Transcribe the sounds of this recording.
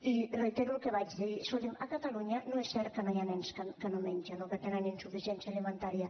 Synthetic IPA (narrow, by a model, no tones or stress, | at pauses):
irejt̪eɾulkeβad͡ʒðeisolemakat̪aluɲanoesɛɾkanoajanɛnskakanomeɲʲʒanoket̪enanensufisɛnsjaelement̪aɾja